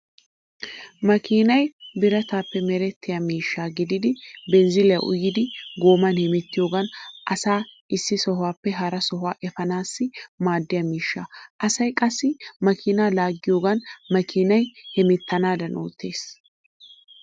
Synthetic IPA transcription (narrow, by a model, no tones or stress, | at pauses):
mɐkiːnɐjbɪɾɐt̪aːpːɛmɛɾɛt̪ːɪjamiːʃːaːɡɪd̪ɪd̪ɪbɛnzɪlɪjɐʔʊ̰jːɪd̪ɪɡoːmɐnhɛmɛt̪ːɪjo̞ːɡɐnʔɐsaːʔɪsːɪsɔɦwaːpːɛɦɐɾɐsɔɦʊaːʔɛfɐnaːsːɪmaːd̪ːɪjɐmiːʃːaʔɐsɐjkʼɐsːɪmɐkʰɪnaːlaːɡːɪjo̞ːɡɐnmɐkʰɪnɐjhɛmɪt̪ːɐnaːd̪ɐnʔo̰ːt̪ːe̞ːs